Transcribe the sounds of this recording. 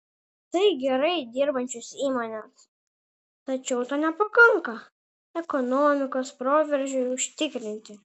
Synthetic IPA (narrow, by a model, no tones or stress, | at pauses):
t̪ɐɪɡʲɛɾɐɪd̪ʲɪɾbɐnʲt͡ʃʲʊsiːmoːnʲɛs | t̪ɐt͡ʃʲɛʊt̪ɐːnʲɛpɐkɐŋkɐ | ɛkɔnomʲɪkoːspɾoːʋʲɛɾʲʒʲʊʊʃʲt̪ʲɪkɾʲɪnʲt̪ʲɪ